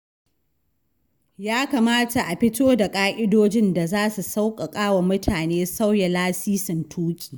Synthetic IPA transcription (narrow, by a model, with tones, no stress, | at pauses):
jaː˦ka˨maː˦ta˨ʔa˨ɸɪ˦toː˦da˨kʼaː˦ʔʲʼɪ˦doː˦d͡ʒɪ˦nda˨zaː˦su˨sa˦wkʼɐ˨kʼaː˦wa˨mʊ˦tʰaː˨neː˦sa˦wja˨laː˦siː˦sɪ˨ntʰuː˦kʲʼi̥ː˨